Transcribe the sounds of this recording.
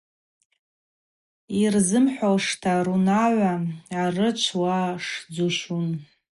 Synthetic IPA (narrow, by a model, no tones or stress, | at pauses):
irzɨmħʷalʂtʰaɾunaʕʷaarɨt͡ʃʷʰwaʂd͡zuʃun